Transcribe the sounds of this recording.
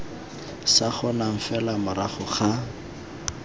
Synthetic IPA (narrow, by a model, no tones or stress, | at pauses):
saχʊnaŋ̩fɛlamʊɾaχʊχa